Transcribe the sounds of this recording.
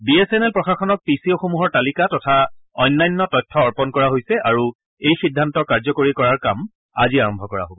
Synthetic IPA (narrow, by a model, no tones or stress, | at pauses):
biesɛnɛlpɹɔxaxɔnɔk̚pisioxomuɦɔɹtalikatɔtʰaɔjnːajnːɔtɔjtʰːɔːɹpɔnkɔɹaɦojsɛʔaɹu | ejxidʱːantɔkaɹzɔkoɹikɔɹaɹkam | a̰ziaɹɔmbʱɔkɔɹa̰ɦobɔ